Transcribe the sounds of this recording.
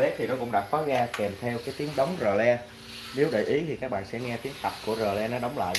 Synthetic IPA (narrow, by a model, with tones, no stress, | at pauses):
ɛ˨˦˥t̪ʰi˨˩nɔ˨˦kʊ̰˧˥ŋ͡mɗaː˨˩k̚fɔ˨˦ɣaː˧kɛ˨˩mt̪ʰɛ˧wkaː˨˦jt̪i˨˦əŋɗə˨˦wŋ͡mzəː˨˩lɛ˧ | ne˨˦wɗə̰ː˧˨˩jʔi˨˦t̪ʰi˨˩kaː˦˥k̚ɓa̰ː˧˨nsɛ̰˧˥ŋɛ˧t̪i˨˦˥əŋt̪a˨˩p̚ku˧˩əzəː˨˩lɛ˧nɔ˨˦ɗə˨˦wŋ͡mla̰ː˧˨